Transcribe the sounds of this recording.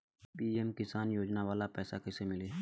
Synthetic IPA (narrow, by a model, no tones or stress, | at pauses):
piːɛmkɪsaːnjoːd͡ʒnaʋaːlapɛːsakɪsemɪleː